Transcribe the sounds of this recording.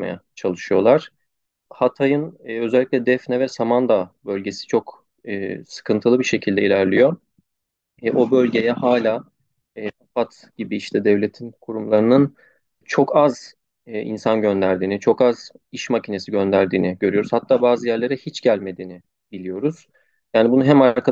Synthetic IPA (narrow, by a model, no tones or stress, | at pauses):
ma̰ja̰t͡ʃʰalˠɯʃɯjo̞lˠaɾ̥ | hat̪ʰajɯnːø̞zɛlʲːicʲlʲɛd̪ɛfnɛvɛsamand̪abø̞lʲɟe̞si̥t͡ʃʰo̞kː | sɯ̥kʰɯnt̪ʰɯlˠɯbiʃe̞cʰilʲd̪ɛilʲæɾlʲijo̞ | ʔo̞bø̞lʲɟe̞jɛhaːlʲaː | ɛːafat̪ | ɟ̥ibiiʃt̪ʰɛd̪ɛvlʲe̞t̪ʰinkʰuɾumlˠaɾɯnɯn | t͡ʃʰo̞kʰaz | ḭnsanɟø̞nd̪æɾd̪iːnit͡ʃʰo̞kaz | iʃmacʰine̞siɟø̞nd̪æɾd̪iːniɟø̞ɾyjo̞ɾuzhat̪ʰːaːbaːzɯjæɾlʲe̞ɾɛhit͡ʃɟælʲme̞d̪iːni | bilʲijo̞ɾuz̥ | jaːnibunuɦɛmaɾkʰa